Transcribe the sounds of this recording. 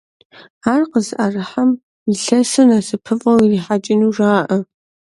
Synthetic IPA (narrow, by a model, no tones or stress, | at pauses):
aːrqəzʔarɨħam | iɬɐsɨnaːsɨpʰɨfʼɐwiriːħat͡ʃʼɪnuʐaːʔə